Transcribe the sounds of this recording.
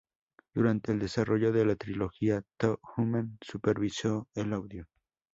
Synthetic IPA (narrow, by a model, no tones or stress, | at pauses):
d̪̥uɾant̪e̞ːld̪e̞sarʔo̞ʝo̞ðe̞lat̪ɾilo̞xiat̪oxumãnsupe̞ɾβiso̞elawðjo